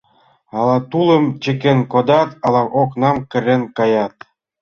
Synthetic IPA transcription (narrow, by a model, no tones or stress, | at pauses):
ɑlɑt̪ulə̆mt͡ɕə̆kenkod̪ɑt̪ɑlɑmʔoknɑmkə̆renkɑjɑt̪